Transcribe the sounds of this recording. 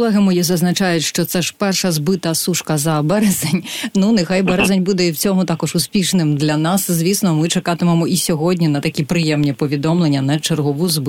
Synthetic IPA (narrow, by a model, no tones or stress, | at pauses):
lˠɛɦɪmɔjizɐznɐt͡ʃɑjʊtʲʃt͡ʃɔt̪sɛʒ̥pɛrʃɐzbɪt̪ɐsuʂkɐzɐbɛɾɛzenʲnunexajbɛɾɛzɐnʲbud̪ɛiwt͡sʲɔmʊt̪ɑkɔʒʊspʲiʃnɪmd̪lʲɐnɑszʲʋʲisnɔmɪt͡ʃekɑt̪ɪmemɔisʲɔɦɔdʲnʲinɐt̪ɐkʲipɾɪjɛmnʲipɔʋʲid̪ɔmlˠenʲːɐnɐt͡ʃerɦɔʋuzb